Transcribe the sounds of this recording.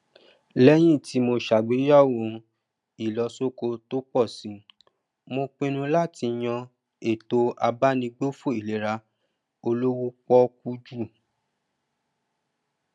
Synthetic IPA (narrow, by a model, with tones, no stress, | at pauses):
lɛ˦j̃ĩ˦˨ti˨˦mo˧ʃa˨ɡ͡be˨˦jɔ˦˨wõ˨˧ | i˨lɔ˨˧so˦ko˧to˦k͡pɔ˦˨sĩ˨˦ | mo˧k͡pĩ˦nũ˧la˦˨ti˧j̃ɔ̃˧ | e˨to˧a˧ba˦nĩ˧ɡ͡bo˦fo˦˨i˨le˨ɾa˧ | o˧lo˦wu˦k͡pɔ˦k̚u˧d͡ʒu˦˨